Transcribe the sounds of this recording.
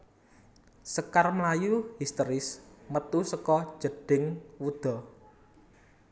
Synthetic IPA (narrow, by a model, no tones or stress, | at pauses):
səkarmlajuhist̪əɾɪsmət̪usəkɔ̥ʒ̥ə̤ɖ̥ɪŋwud̪̥ɔ̤